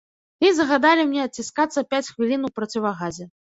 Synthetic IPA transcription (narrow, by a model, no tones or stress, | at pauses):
izɐɣad̪alʲimnʲɛɐt̪̚t͡sʲiskat̪sːɐpʲat͡sʲxvʲilʲinupɾɐt͡sʲivɐɣazʲɛ